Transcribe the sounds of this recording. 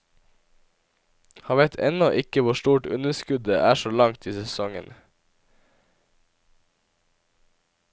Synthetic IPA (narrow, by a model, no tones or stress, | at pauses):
hɑːʋæɪt̪ʰɛ̰nɔʔɪkəʋʊʃtuːʈʉ̰nəskʉd̪əʔæːʃoːlɑŋt̪ʰiːsɛsɔŋə̰n